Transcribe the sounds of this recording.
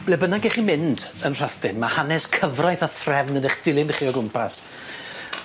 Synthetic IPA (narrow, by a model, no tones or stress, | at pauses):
b̥lɛbənaɡɛχimɪndənr̥aθɪnmahanɛskʰəvrajθaθrɛvnəneχd̥ɪlˠɪnχiːɔɡʊmpʰas